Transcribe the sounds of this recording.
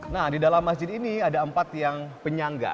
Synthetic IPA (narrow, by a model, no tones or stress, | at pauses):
nahdidalamːas̬d͡ʒɪd̪iniadaəmpat̪jaŋpəɲaŋɡa̰